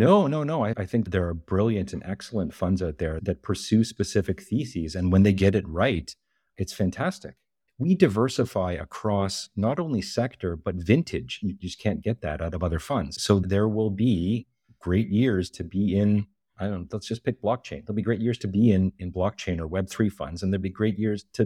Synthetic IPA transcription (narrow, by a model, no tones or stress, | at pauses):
noʊnoʊnoʊaɪʔaɪθɪ̃ŋk̚ðə˞ːbɹɪlˠjɨ̃ntʰɨ̃nʔɛksl̩ˠə̃ntfʌ̃ndzaʊt̪̚ðə˞ðɨt̚pʰə˞sʉspɨsɪfɨkθisizɨ̃nwə̃nðeɪɡɛɾɨt̚ɹaɪt | ɨtsfæ̃ntʰæstɨ̰k | widaɪvɜ˞səfaɪɨ̰kʰɹ̥ɔsnəɾõʊ̃nlisɛk̚tʰə˞bʌtvɪ̃ntʰɨɪd̥d͡ʒd͡ʒʌkʰæ̃nɡ̥ɛt̪̚ðɨ̰ɾaʊɾʌvʌðə˞fʌ̃ndz̥soʊðə˞wɪlˠbi | ɡ̥ɹeɪt̚jɪɹz̥tʰɨbiɪ̃n | ʔaɪdõʊnlætsd̥ʒ̥ʌspʰɪk̚b̥lɑk̚t͡ʃʰẽɪ̃nðəl̩ˠbiɡɹeɪt̚jɪɹz̥tʰɨbiɪ̃nɨ̃nblɑk̚t͡ʃʰẽɪ̃nə˞wɛb̥̚θɹifʌ̰̃ndzɨ̃n̩ðəlˠbiɡɹeɪt̚jɪɹz̥tʰɨ